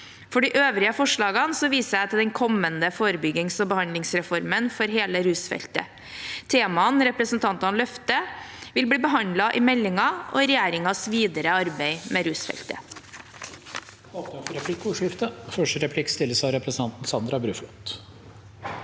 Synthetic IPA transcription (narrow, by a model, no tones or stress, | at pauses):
fɔɖiʔøːʋɾɪəfɔʂɭɑːɡɑnsɔʋiːsəæɪt̪ʰɪld̪ɛnkʰɔmːənd̪əfoːɾəbʏɡɪŋsɔbəhɑnlɪŋsɾɛfɔɾmənfɔɾɦeːləɾʉːsfɛ̰lt̪ə̰ | t̪ʰeːmɑənɾɛpɾəsnt̪ʰɑnt̪ɑnlœft̪əʋɪlbɽiːbəɦɑnd̪lɑʔɪmɛlːɪŋɑʔɔ̰ɾɛjæːɾɪŋɑsʋiːd̪əɾəɑɾbeɪmʔɛɾʉːsfɛ̰lt̪ə̰ | ɑt̪əfɔɾɛpʰlɪkːuːʂɪft̪əfœʂʈəɾɛpʰlɪkːst̪ɪlːəsɑɾɛpɾsən̩ɑnt̪n̩sɑnd̪ɾɑbɾʉːflɔt̪